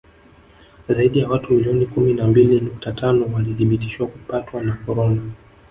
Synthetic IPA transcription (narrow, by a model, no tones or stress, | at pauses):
zaiɗijawatumiliɔnikuminambilinuk̚tatʰanɔwaliθiɓiti̥ʃwakupatwanakɔɾɔna